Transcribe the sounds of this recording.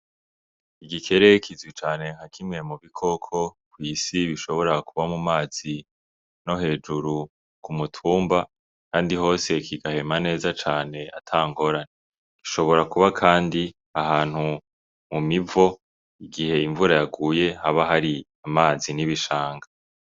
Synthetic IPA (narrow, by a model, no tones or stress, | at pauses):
iɡikʰe̞ɾe̞kizwit͡ʃaːne̞ŋ̥hakʰimŋe̞muβikʰo̞kʰo̞kwiːsiβiʃo̞βo̞ɾakuβamumaːz̥i | no̞he̞ːd͡ʒuɾu | kumutʰuːmba | kaːndiho̞ːse̞kiɡahe̞mane̞ːzat͡ʃaːne̞ʔatʰaːŋɡo̞ɾane | ki̥ʃo̞βo̞ɾakuβakʰaːndi | ahaːn̥hu | mumivo̞ | iɡihe̞iɱvuɾajaɡuːje̞haβaɦaɾi | amaːziniβiʃaːŋɡa